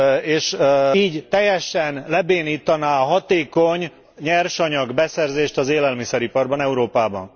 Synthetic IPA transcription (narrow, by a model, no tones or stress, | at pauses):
eːʃiːɟt̪ɛjɛʃɛnlɛbeːniːt̪ːɒnaːɦɒt̪eːkoɲ | ɲɛrʃɒɲɒɡbɛsɛrzeːʃt̪ɒzeːlɛlmisɛɾipɒrbɒnɛuɾoːpaːbɒ̰n